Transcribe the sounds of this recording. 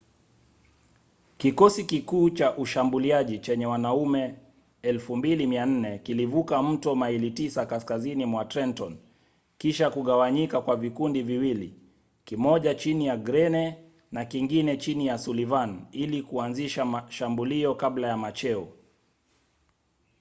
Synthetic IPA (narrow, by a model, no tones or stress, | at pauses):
kikɔsikikuːt͡ʃaʔuʃambuliaʄit͡ʃɛɲɛwanaumɛ | ɛlfumbilimian̩nɛkilivukam̩tɔmailitisakaskazinimwatɾɛntɔn | kiʃakuɠawaɲikakwavikundiviwilḭ | kimɔʄat͡ʃinijaɡɾɛnɛ | nakiŋɡinɛt͡ʃinijasulivanilikuanziʃamaʃambuliɔkablajamat͡ʃɛɔ